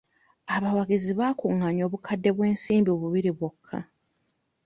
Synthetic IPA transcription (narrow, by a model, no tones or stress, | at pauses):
aβawaɡiziβaːkuŋaɲo̞ːβukʰadːe̞βwe̞ːnsiːmbioβuβiɾiβwokʰːa̰